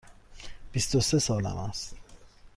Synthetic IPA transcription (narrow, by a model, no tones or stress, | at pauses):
b̥ist̪osesɒːlæ̰ma̰st̪